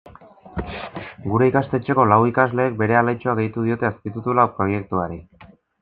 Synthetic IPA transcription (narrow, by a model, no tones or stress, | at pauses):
ɡuɾe̞ikast̪e̞t͡ʃe̞ko̞lawikazle̞ːk̚be̞ɾe̞alajt͡ʃoaɣe̞jt̪uð̞io̞t̪e̞askit̪ut̪ulawpɾo̞je̞k̚t̪uaɾi